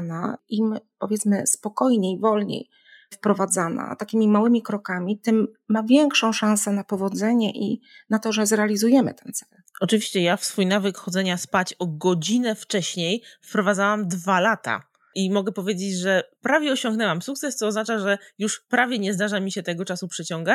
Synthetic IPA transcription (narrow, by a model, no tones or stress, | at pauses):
na̰impɔvʲjɛt̪smɘspɔkɔjɲejvɔlɲḛj | fpɾɔvad̪zana̰t̪akʲimʲimawɘmʲikɾɔkamʲit̪ɘmːavʲjɛŋkʂɔ̃w̃ʂãñsɛnapɔvɔd̪zɛɲɛʔḭnat̪ɔʐɛzɾɛalʲizujɛmɘ̰t̪ɛnt̪sɛl | ɔt͡ʂɨvʲiɕt͡ɕɛjafsfujnavɘkxɔd̪zɛɲaspat͡ɕɔɡɔd͡ʑinɛft͡ʂɛɕɲejfpɾɔvad̪zawamd̪valat̪a̰ | imɔɡɛpɔvʲjed͡ʑed͡ʑʐɛpɾavʲjɛɔɕɔ̃ŋɡnɛwamsukt̪sɛst̪ɔːznat͡ʂaʐɛjuʂpɾavʲjɛɲɛzd̪aʐamʲiɕɛt̪ɛɡɔt͡ʂasupʂɛt͡ɕɔŋɡa